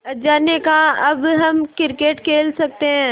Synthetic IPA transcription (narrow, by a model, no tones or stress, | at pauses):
d͡ʒaːnekaɐbɦɐmkɪɾkeːʈkʰeːlsɐk̚t̪eɦɛ̃ː